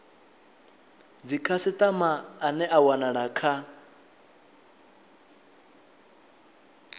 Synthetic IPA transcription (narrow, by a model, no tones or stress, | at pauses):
d͡zikʰasɪt̪ʼamaːnɛʔawanaɺakʰa